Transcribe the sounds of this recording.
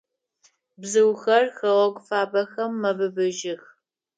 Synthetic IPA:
bzɨwxɐrxɐʁɐkʷʼʊfaːbɐxɐmːɐbɨbɨʒɪx

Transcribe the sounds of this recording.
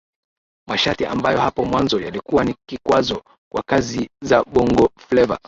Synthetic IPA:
maʃatiʔa̰mbajɔhapɔmwanzɔjalikuwanikikwazɔ | kwʔa̰kazizaɓɔŋɡɔflɛva̰

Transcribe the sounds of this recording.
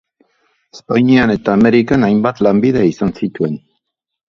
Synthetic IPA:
espaɲiane̞t̪aːme̞ɾikanajmbat̪lambiðeisansit̪ue̞n

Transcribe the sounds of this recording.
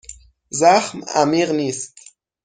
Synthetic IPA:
zaχma̰miʁnist

